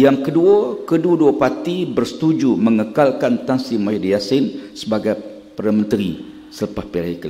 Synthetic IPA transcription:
jaŋkəduəkəduduapat̪ibərsə̥t̪ud͡ʒumə̃ŋəkalkant̪ansimajidijasɪnsəbaɡaj | pəɾamə̃nt̪əɾḭ | sələpahpelaikəl

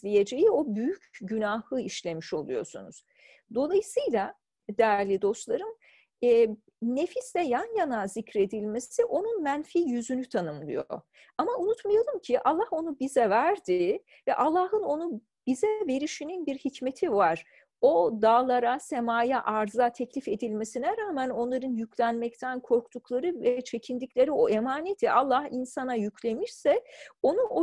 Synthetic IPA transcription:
lʲije̞d͡ʒe̞jio̞byjycʰɟynaːhɯiʃlʲe̞miʃo̞̰lˠujo̞̰sṵnuz̥ | d̪o̞lˠajɯsɯjlˠa | d̪ɛɾlʲid̪o̞st̪lˠaɾɯmː | ne̞fislʲɛjanjanazicɾe̞d̪ilʲme̞siʔo̞nunmænfiːjyzynyt̪ʰanɯmlˠɯjo̰ | amaunut̪majalˠɯmcʰiʔalˠːaho̞nubizɛvæɾd̪i | vɛʔalˠːaːɦɯno̞nu | b̥izɛve̞ɾiʃininbiɾhicme̞t̪ʰivaɾ̥ | o̞d̪aːlˠaɾasemaːjaʔaɾzat̪ʰɛclʲife̞d̪ilʲme̞sinɛɾaːmæno̞nlˠaɾɯnjycʰlʲænmɛc̚t̪ʰænkʰo̞ɾkt̪ʰuklˠaɾɯvɛt͡ʃʰe̞cʰind̪iclʲe̞ɾio̞emaːne̞t̪ʰiʔalˠːahinsanajycʰlʲe̞miɾsɛo̞nuʔo

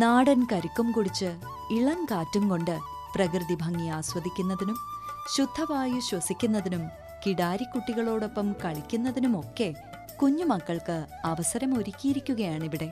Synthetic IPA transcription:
naːɽɐnkɐɾikːumkuɽit͡ɕːɨ | iɭɐŋkaːtːumko̞ɳɖɨ | prɐkrɨðibʱɐŋːijaːswɐd̪ʱikʲːunːɐðinumɕud̪ʱːɐʋaːjuɕwɐsikʲːunːɐðinum | kiɽaːɾikːuʈːiɣɐɭo̞ːɽo̞pːɐmkɐɭikʲːunːɐðinumo̞kːe̞ | kuɲːumɐkːɐɭkɨɐʋɐsɐɾɐmo̞ɾikʲːijiɾikʲːuɣɐjaːɳiʋiɽe̞

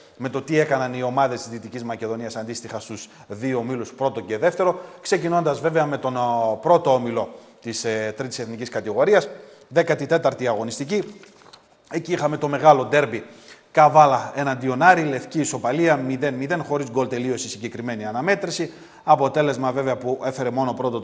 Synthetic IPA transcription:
me̞t̪o̞t̪ie̞kɐnɐnio̞mɐðe̞st̪izðit̪icizmɐce̞ðo̞niɐsɐnd̪ist̪ixɐst̪uz | ðiomiluspɾo̞t̪o̞ce̞ðe̞ft̪e̞ɾo̞kse̞cino̞nd̪ɐzve̞veɐme̞t̪o̞npɾo̞t̪o̞omilo̞ | t̪ist̪ɾit̪ise̞θniciskɐt̪iɣo̞ɾiɐs | ðe̞kɐt̪it̪e̞t̪ɐɾt̪iɐɣo̞nist̪ici | e̞ciixɐme̞t̪o̞me̞ɣɐlo̞d̪e̞ɾbikɐvɐlɐe̞nɐnd̪io̞nɐɾile̞fciːso̞pɐliɐmiðe̞nmiðe̞nxo̞ɾizɡo̞lt̪e̞lio̞sisiɲɟe̞kɾime̞niɐnɐme̞t̪ɾisi | ɐpo̞t̪e̞le̞zmɐve̞veɐpue̞fe̞ɾe̞mo̞no̞pɾot̪o

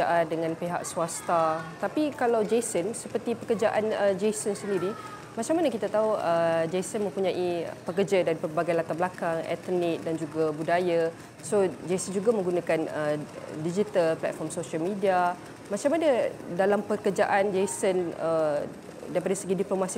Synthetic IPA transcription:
aʔandəŋãnpeɦa̰ʔ̚suast̪at̪apikalawd͡ʒesənsəpərt̪ipəkərd͡ʒaʔanəd͡ʒejsənsəndiɾi | mat͡ʃaŋmanakit̪at̪auəd͡ʒejsənmə̃mpuɲãʔipək̬ərd͡ʒadaɾipərbaɡajlat̪abəlakaŋɛ̰t̪nik̚dand͡ʒuɡabudaja | sod͡ʒesənd͡ʒuɡamə̃ŋɡunakanədid͡ʒit̪alplɛ̰t̪̚fɔrmsoʃialmidia | mat͡ʃamanadalampəkərd͡ʒaʔand͡ʒejsənə | daipadasəɡidiplomãsi

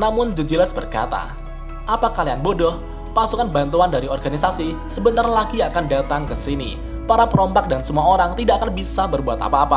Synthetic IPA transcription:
namʊnd͡ʒud͡ʒəlasbərka̰t̪a̰ | ʔapakalianbodɔh | pasukanbant̪uandaɾiɔrɡanisasi | səbənt̪arlaɡiakandat̪aŋkəsinḭ | paɾapəɾɔmpak̚dansəmuaoɾaŋt̪idaʔakanbisabərbuat̪a̰paːpa

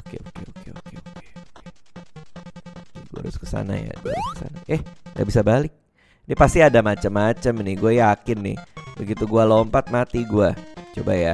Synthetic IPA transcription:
okḛokeokeokeoke̥e | ɡua̰ɾʊskə̥sa̰na̰ja̰ɡuaɾʊkə̥sa̰naʔɛhŋɡa̰bisabalɪk̚ | diapast̪iadamat͡ʃəmːat͡ʃəmnɪɡuajakɪnːɪ̰hbəɡit̪uɡualompat̪̚mat̪iɡuat͡ʃobaja

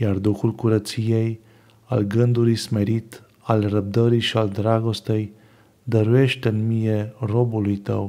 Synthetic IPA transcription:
jard̪uxulkuɾət̪sijej | a̰lɡɨnd̪uɾijsmeɾit̪ | alrəb̚d̪əɾiʃiald̪ɾaɡost̪ej | d̪əɾueʃt̪ɨnmijerobulujt̪əw

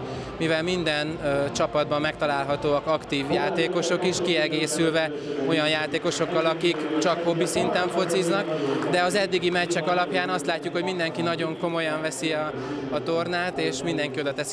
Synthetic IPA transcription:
mivɛlmind̪ɛnt͡ʃɒpɒd̪bɒmːɛkt̪ɒlaːlɦɒt̪oːɒkɒkt̪iːvjaːt̪eːko̞ʃo̞kiʃkiɛɡeːsylvɛ | o̞jɒnjaːt̪eːko̞ʃo̞kːɒlɒkikt͡ʃɒkho̞bːisint̪ɛɱfo̞t̪siznɒkd̪ɛɒzɛd̪ːiɡimɛt͡ʃːɛkɒlɒpjaːnɒst̪laːcːukho̞ɟmind̪ɛŋkinɒɟo̞ŋko̞mo̞jɒɱvɛsiɒː | t̪o̞rnaːt̪eːʃmind̪ɛŋkio̞d̪ɒt̪ɛs

